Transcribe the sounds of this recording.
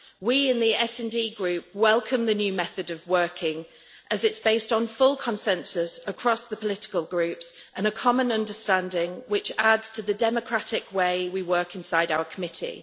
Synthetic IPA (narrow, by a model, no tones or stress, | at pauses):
wiɪ̃nðiɛsɛ̃ndiːɡɹʉˑp̚wɛlˠkʰə̃mðənjʉːmɛθədəvwɜˑkʰɪ̃ŋ | ʔəzɪtsb̥eɪstn̩fʊlˠkʰə̃nsɛ̃nsəsəkʰɹ̥ɒsðəpʰəlɪtɪ̥kəlˠɡɹʉˑpsʔə̃nəkʰɒmə̃nʌ̃ndəstãndɪ̃ŋwɪt͡ʃadz̥tʰəðədɛməkʰɹ̥atɪkweɪwiwɜˑkɪ̃nsaɪɾaʊəkʰəmɪtʰḭ